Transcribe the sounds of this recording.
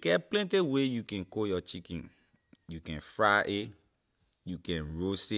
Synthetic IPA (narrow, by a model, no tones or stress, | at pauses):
kɛplɛ̃ntewejukɛ̃nkojɔt͡ʃikḭ̃n | jukɛ̃nfɹaʔe | jukɛ̃nɹose